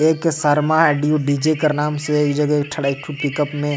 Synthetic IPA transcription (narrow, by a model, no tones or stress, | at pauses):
eːksɐɾmaɛɖjuɖiːd͡ʒekɐɾnaːmsekd͡ʒɐɡk̚ʈʰɐɽaɪʈʰupɪkəpmẽ